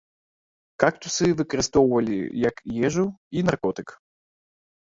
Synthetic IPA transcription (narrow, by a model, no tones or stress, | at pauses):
kak̚t̪usɨvɨkɐɾɨst̪ɔwvɐlʲḭjɐkjɛʒuinarkɔt̪ɨk